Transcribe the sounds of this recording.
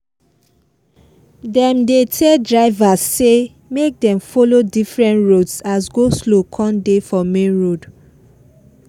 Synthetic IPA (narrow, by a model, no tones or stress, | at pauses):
dɛ̃mdetʰɛdɹaɪvasːe | mek̚dɛ̃mfolodifɹɛ̃ntɹodsasɡoslokʰɔ̃ndefɔmẽnɹod